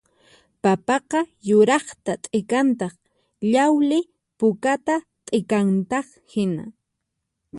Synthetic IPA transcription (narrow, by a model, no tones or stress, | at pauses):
papɑqɑjʊɾɑχt̪at̪ʼɪkant̪ɑχ | ʎawlɪ | pʊkat̪a | t̪ʼɪkant̪ɑχhɪna̰